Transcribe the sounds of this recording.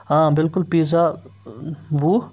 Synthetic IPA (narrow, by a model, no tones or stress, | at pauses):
ɦãbɪlkʊlpiːza | ʋuː